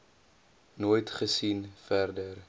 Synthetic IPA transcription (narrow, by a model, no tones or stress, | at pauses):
noːjtχəsinfærdər